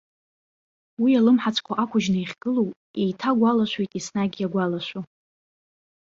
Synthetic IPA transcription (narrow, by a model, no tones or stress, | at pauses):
wialɨmħat͡sʰʼkʷʰaʔakʷʰʊʒnɨiχʲɡ̥ɨlow | ejtʰaɡʷalaʃʷejtʼisnaɡʲjaɡʷalaʃʷu